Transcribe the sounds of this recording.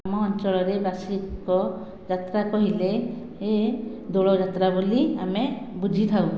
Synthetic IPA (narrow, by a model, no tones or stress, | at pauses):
amɔːnt͡ʃɔɭɔɾebasikɔ | d͡ʒat̪ɾakɔɦile | ed̪oɭɔd͡ʒat̪ɾabuliamebud͡ʒʱit̪ʰaw